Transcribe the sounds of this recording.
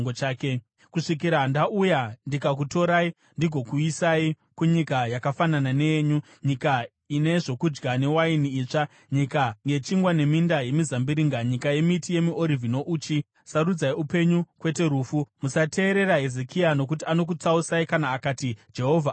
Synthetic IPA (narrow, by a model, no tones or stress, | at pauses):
ŋɡot͡ʃaːke | kuʂik̬iɾandaʔujandikak̬uto̞ɾai | ndiɡʱo̞kuisai | kuɲikajakafanananeɲu | ɲika | ine̞ʐo̞kud͡ʒɡane̞wainiːt͡ʂa | ɲikaŋɡe̞t͡ʃiŋɡwane̞mindaje̞mizambiɾiːŋɡaɲikaje̞mitije̞miʔoɾivʱinoʔuːt͡ʃi | saɾud͡zaiupe̞ɲukwe̞te̞ɾuːfumusatʰe̞ːɾe̞raɦezekʰiano̞kutiano̞k̬ut͡sausaikanaːkatid͡ʒe̞ɦo̞vʱa